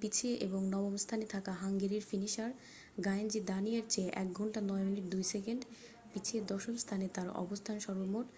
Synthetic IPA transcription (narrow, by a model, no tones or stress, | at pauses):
pit͡ɕʰieʔeboŋnɔbomst̪ʰanet̪ʰakaɦaŋɡeɾiɾfiniʃaɾ | ɡajend͡ʑid̪anijeɾt͡ɕeʔɛ̰k̚ɡʱɔɳʈanɔeminiʈ̚d̪ujsekeɳɖ | pit͡ɕʰied̪ɔʃomst̪ʰanet̪aɾɔ̰bost̪ʰanʃɔɾbomoʈ